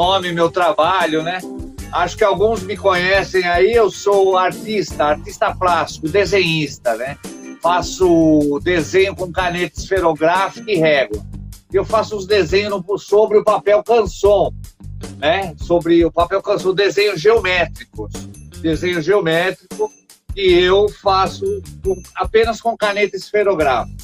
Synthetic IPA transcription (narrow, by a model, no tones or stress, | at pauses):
õmɪmewt̪ɾabaʎʊnɛ | aʃʊ̥kɪawɡũzmɪkõɲɛsẽj̃aiewsoaɾt̪ist̪ɐaɾt̪ist̪ɐplasi̥kʊd̪ezẽɲist̪ɐnɛfasʊd̪ezẽɲʊkõkanet̪ɪ̥sfeɾoɡɾafi̥kʊiɦɛɡlɐɪewfasʊʊzd̪ezẽɲʊznʊsobɾɪʊpapɛwkɐ̃sõ | nɛsobɾɪʊpapɛwkɐ̃sõd̪ezẽɲʊzʒeomɛt̪ɾikʊsd̪ezẽɲʊzʒeomɛt̪ɾikʊ | ɪeewfasʊkõapẽnɐskõkanet̪ɪsfeɾoɡɾafi̥kʊ